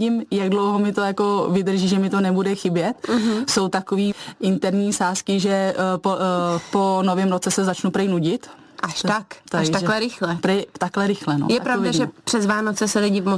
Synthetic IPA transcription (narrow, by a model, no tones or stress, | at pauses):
ɟɪmjaɡdlowɦomɪt̪o̞jako̞vɪd̪r̩ʒiːʒɛmɪt̪o̞nɛbudɛxɪbjɛt̪̩ɦso̞wt̪akoviːʔɪnt̪ɛɾɲiːsaːskɪʒɛpopo̞no̞vɪmɾot͡sɛsɛzat͡ʃnupɾɪjnuɟɪt̪ | ʔaʃakt̪aʃt̪aklɛɾɪxlɛpɾɛt̪aklɛɾɪxlɛno̰jɛapɾaovdaʒɛpr̥ɛzvaːnot͡sɛsɛlɪɟɪvmo